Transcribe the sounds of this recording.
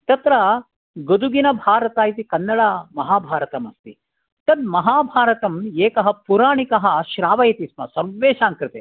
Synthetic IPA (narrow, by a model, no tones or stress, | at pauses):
t̪ɐt̪ɾɐ | ɡod̪uɡinɐbʱaːɾɐt̪aːjit̪ikɐnːɐɭɐmɐɦaːbʱaːɾɐt̪ɐmɐst̪i | t̪ɐd̪mɐɦaːbʱaːɾɐt̪ɐmeːkɐɦɐpuɾaːɳikɐɦɐ̆ʃɾaːʋɐjɐt̪ismɐ̰sɐɾʋːeːʃaːŋkɾɨt̪e